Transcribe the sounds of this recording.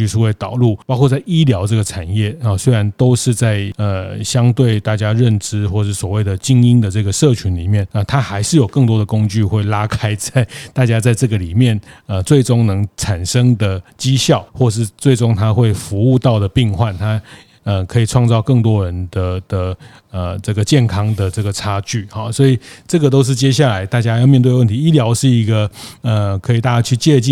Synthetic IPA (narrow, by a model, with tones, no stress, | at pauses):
y˥˧ʂu˥we˥˩ɪt̪ɑ˨˩ʊlu˥˩pɑ˥ʊkʰwɔ˥˧t͡sa˥˩ɪi˥ljɑ˧˥ʊʈ͡ʂɤ˥˩ɡə˩ʈ͡ʂʰa˨˩njɛ˥˩˨swe˥ɪɻa˧˦nt̪o˥ʊʂɻ̩˥˧t͡sa˥˩ɪə˨˩ɕjɑ˥ŋt̪we˥˧ɪt̪a˥˩t͡ɕja˥ɻə˥˩nʈ͡ʂɻ̩˧˥xwɔ˥˧ʂɻ̩˥˩swɔ˨˩we˥˩ɪd̪ə˩t͡ɕi˥ŋi˥nd̪ə˨ʈ͡ʂɤ˥˩ɡə˩ʂɤ˥˩t͡ɕʰy˧˥nli˨˩mjɛ˥˩nə˧˩t̪ʰa˥xa˧˥ɪʂɻ̩˥˩jo˨˩ʊkɤ˥˩ŋt̪wɔ˥d̪ə˨kʊ˥ŋt͡ɕy˥˧xwe˥˩ɪla˥kʰa˥ɪt͡sa˥˧ɪt̪a˥˩t͡ɕja˥t͡sa˥˧ɪʈ͡ʂɤ˥˩ɡə˩li˨˩mjɛ˥˨˩nə˧t͡swe˥˩ɪʈ͡ʂʊ˥ŋnɤ˧˥ŋʈ͡ʂʰa˨˩nʂə˥ŋd̪ə˨t͡ɕi˥ɕjɑ˥˩ʊxwɔ˥˧ʂ̬ɻ̩˥˧t͡swe˥˩ɪʈ͡ʂʊ˥ŋt̪ʰa˥xwe˥˩ɪfu˧˥u˥˧t̪ɑ˥˩ʊd̪ə˩pi˥˧ŋxwa˥˩nt̪ʰa˥ | ə˨˩kʰɤ˧˥i˨˩ʈ͡ʂʰwɑ˥˧ŋt͡sɑ˥˧ʊkɤ˥˩ŋt̪wɔ˥ɻə˧˦nd̪ə˨d̪̥ə˧ | ə˩ʈ͡ʂɤ˥˩ɡə˩t͡ɕjɛ˥˩nkʰɑ˥ŋd̪ə˨ʈ͡ʂɤ˥˩ɡə˩ʈ͡ʂʰa˥t͡ɕy˥˩xɑ˨˩swɔ˧˥i˨˩ʈ͡ʂɤ˥˩ɡə˨˩t̪̬o˥ʊʂ̬̩˥˩t͡ɕjɛ˥ɕ̬ja˥˩la˧˥ɪt̪a˥˩t͡ɕja˥jmjɛ˥˧t̪we˥˧wə˥˩nt̪ʰi˧˦i˥ljɑ˧˥ʊʂɻ̩˥˩i˧˥ɡə˧ə˩kʰə˧˥i˨˩t̪a˥˩t͡ɕja˥t͡ɕʰy˥˧t͡ɕjɛ˥˧t͡ɕi˥˨